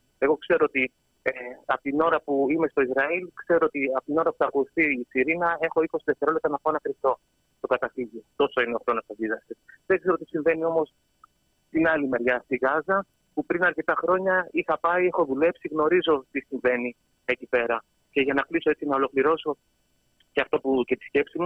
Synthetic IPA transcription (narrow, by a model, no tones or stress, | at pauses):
e̞ɣo̞kse̞ɾoot̪i | eɐpot̪ino̞ɾɐpuime̞st̪o̞izɾɐilkse̞ɾoot̪iɐpot̪ino̞ɾɐpu̥θɐkouθiːsiɾinɐe̞xo̞iko̞siðeft̪e̞ɾo̞lept̪ɾɐnɐpoenɐkɾipt̪o̞ | t̪o̞kɐt̪ɐθiʝit̪o̞so̞ineo̞xɾo̞nosɐðiðɐst̪esðeŋkse̞ɾot̪i̥siɱve̞nio̞mo̞s | t̪inɐlimeɾʝɐft̪iɣɐzɐ | pupɾinɐɾce̞t̪ɐxɾo̞ɲɐixɐpɐie̞xo̞ðule̞psiɣno̞ɾizo̞t̪isiɱve̞ni | ecipe̞ɾɐ | ce̞ʝɐnɐkliso̞e̞t͡sinɐo̞lo̞kliɾo̞so̞ | cɐft̪o̞puce̞t̪i̥sce̞psimu